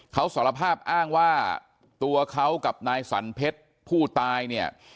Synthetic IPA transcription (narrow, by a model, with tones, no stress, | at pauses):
kʰa˦˥wsaː˩˦la˧pʰaː˥˩p̚ʔaː˥˩ŋwaː˥˩ | t̪u˧ɐkʰa˦˥wka˨˩p̚naː˧jsa̰˩˦npʰe˦˥t̪̚ | pʰuː˥˩t̪aː˧jni˥˩ɐ